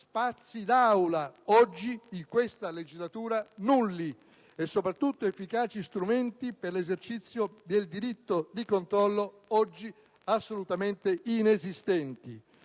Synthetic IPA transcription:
spat̪sːid̪awlaɔd͡ʒːiiŋkwest̪aled͡ʒizlat̪uːɾanulːi | ɛsːopɾat̪ːut̪ːoefːikaːt͡ʃist̪ɾument̪iperlezert͡ʃit̪sːjod̪eld̪iɾit̪ːod̪ikont̪ɾɔlːo | ɔd͡ʒːi | asːolut̪ament̪einezist̪ɛnt̪ḭ

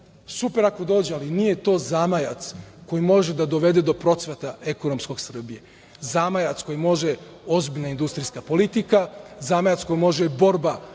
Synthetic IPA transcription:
supe̞ɾako̞d̪o̞ːd͡ʑealinije̞t̪o̞ːzaːmajat̪sko̞jimo̞ʒed̪ad̪o̞ʋe̞d̪ed̪o̞pɾo̞t̪sʋet̪aekonomsko̞ɡ̥sr̩bije | zaːmajat̪sko̞jimo̞ʒeo̞zbiʎnaind̪ust̪ɾijskapo̞lit̪ikazamajat̪sko̞jimo̞ʒebo̞ɾba

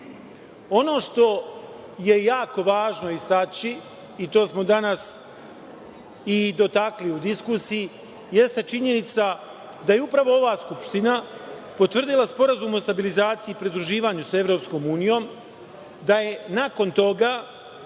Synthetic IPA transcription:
o̞no̞ːʃt̪o̞ | je̞jaːko̞ʋaːʒno̞ist̪at͡ɕiː | t̪o̞ːsmo̞d̪anas | id̪o̞t̪akliud̪iskusiji | je̞st̪et͡ʃiɲe̞nit̪sa | d̪aje̞upɾaʋo̞o̞ʋaːskupʃt̪inapo̞t̪ʋr̩d̪ilˠaspo̞ɾazuːmo̞st̪abilizaːt̪siiːpɾid̪ɾuʒiːʋaːɲusae̞ʋɾo̞ːpsko̞ːmuːnijo̞ːm | d̪aje̞nako̞nt̪o̞ɡa

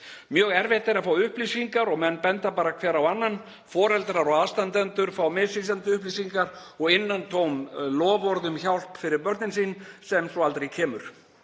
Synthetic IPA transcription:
mjœːɣɛɾvɛht̪ɛɾafaːwʏhplisiŋkaɾɔɣmɛnːpɛnt̪apaːɾakʰvɛːɾawanːan | fɔːɾɛlt̪ɾaɾɔɣaðst̪ant̪ɛnt̪ʏɾ̥faːwmɪsis̬lant̪ʏʏhplisiŋkaɾɔɣɪnːant̪ʰoːwmlɔːvɔɾðʏmçawl̥pfɪɾɪɾpœɾt̪nɪnsiːnsɛmsɔalt̪ɾejcʰɛːmʏɾ̥

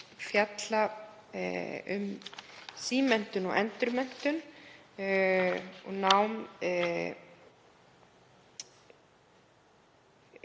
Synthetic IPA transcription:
fjat̪la | ʏ̰m | siːmɛn̥t̪ʏnɔɛnt̪ʏɾmɛn̥t̪ʏn | ɔɣnawm

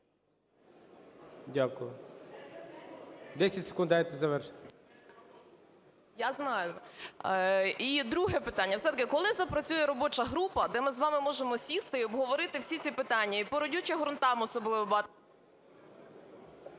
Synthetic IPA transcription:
dʲakʊjʊ | d̪ɛsʲɐtʲse̥kʊnd̪ajɛt̪ɪzɐʋɛrʃɪ̥t̪ɪ | jaznɑjʊ | id̪ɾuɦɛpɪt̪ɑnʲːɐwsɛt̪ɐkɪkɔlˠɪzɐpɾɐt͡sʲujɛɾɔbɔt͡ʃɐɦɾupɐd̪ɛmɪzʋɑmɪmɔʒemɔsʲist̪ɪiɔbɦɔʋɔɾɪt̪ɪwsʲit͡sʲipɪt̪ɑnʲːɐipɔɾɔdʲut͡ʃɛɦɔɾɔnt̪ɑmɔsɔblˠɪʋɔbɑ

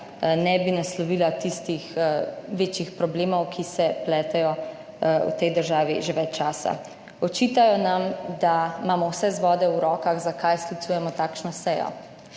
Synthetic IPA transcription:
nɛbinaslɔʋiːlat̪ist̪ixʋeːt͡ʃjixpɾɔbleːmɔwkʰisɛplɛːt̪ɛjɔ | ṵt̪ɛjd̪əɾʒaːʋḭʒeʋɛt͡ʃːt͡ʃaːsa̰ | ɔt͡ʃiːt̪ajɔnamd̪amaːmɔwsɛzʋɔːd̪ɛwɾɔːkaɣzakajsklit̪suːjɛmɔt̪aːkʃnɔsɛjɔ̰

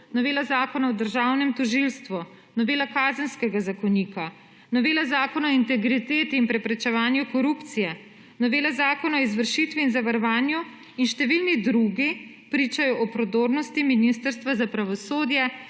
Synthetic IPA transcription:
nɔʋeːlazaːkɔnaɔd̪əɾʒaːwnɛmt̪ɔʒilst̪ʋu | nɔʋeːlakaːzənskɛɡazakɔniːka | nɔʋeːlazaːkɔnaɔint̪ɛɡɾit̪eːt̪iːnpɾɛpɾɛt͡ʃɛʋaːnjukɔɾupt̪sijɛ | nɔʋeːlazaːkɔnaɔizʋəɾʃit̪ʋiːnzaʋaɾɔʋaːnju | inʃt̪ɛʋilnid̪ɾuɡi | pɾiːt͡ʃajɔʔɔpɾɔd̪oɾnɔst̪iminist̪əɾst̪ʋazapɾaʋɔsoːd̪jɛ

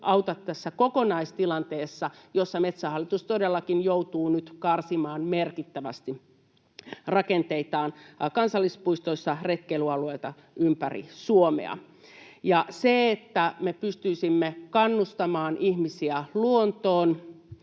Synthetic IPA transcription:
ʔɑuwt̪ɑt̪ːæsːækokonɑist̪ilɑnt̪eːsːɑjosːɑmet̪sæhɑlːit̪ust̪odelːɑkinjout̪uːnyt̪kɑrsimɑːnmerkit̪ːæʋæ̰st̪i | rɑkent̪eit̪ɑːnkɑnsɑlːispuist̪oisːɑret̪kelyɑlueit̪ɑ | ympærḭsuomḛɑ̰ | jɑseet̪ːæmepyst̪yisimːekɑnːust̪ɑmɑːnʔihmisiæluont̪oːn

